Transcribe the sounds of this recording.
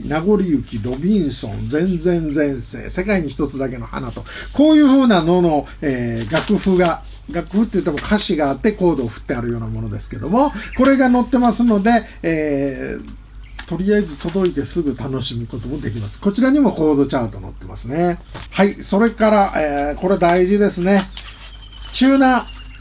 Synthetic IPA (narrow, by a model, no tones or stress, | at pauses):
naɡo̞ɾʲiɯ̟kʲiɾo̞bʲĩɰ̃sõ̞̰nd͡zẽ̞nd͡zẽ̞nd͡zẽ̞ɰ̃se̞̰ːse̞kaiɲ̟içi̥t̪o̞t͡sɨd̪ak̬e̞no̞ha̰nat̪o̞ | ko̞ːjɯ̟ːɸɯ̟ːnano̞no̞ | eːɡakɯ̟ɸɯ̟ɡa | ɡakɯ̟ɸɯ̟t̪ːeiɯ̟t̪ːemo̞kʰaɕiɡaːt̪ːe̞ko̞ːd̪o̞ːɸɯ̟̥t̪ːe̞aɾɯ̟jo̞ːnamo̞no̞d̪e̞sɨ̥ke̞d̪o̞mo̞ko̞ɾe̞ɡano̞t̪ːe̞masɨno̞d̪e̞ː | t̪o̞ɾʲijaezɨt̪o̞d̪o̞it̪e̞sɨɡɯ̟t̪ano̞ɕimʲiko̞t̪o̞mo̞d̪e̞kʲimasɨ̥ko̞t͡ɕiɾaɲ̟imo̞ko̞ːd̪o̞t͡ɕaːt̪o̞no̞̰t̪ːe̞masɨne̞ | haiso̞ɾe̞kaɾaʔeko̞ɾe̞d̪aiʑid̪e̞sɨne̞ | t͡ɕɨːna